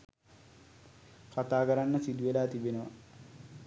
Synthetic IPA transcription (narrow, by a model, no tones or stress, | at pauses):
kat̪aːkəɾanːəsid̪uʋelaːt̪ibenəʋa̰